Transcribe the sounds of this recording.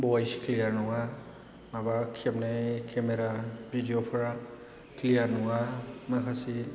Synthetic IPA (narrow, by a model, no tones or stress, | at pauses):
bɔjskʰlijaɹnɔwa | mabakʰɛbnakʰɛmɛɾabʱidijopʰɔɹa | kʰlijaɹnʊwamakʰasi